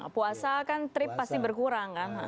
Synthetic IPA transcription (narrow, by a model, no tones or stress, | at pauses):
puasakant̪ɾɪpːast̪ibərkuɾaŋkan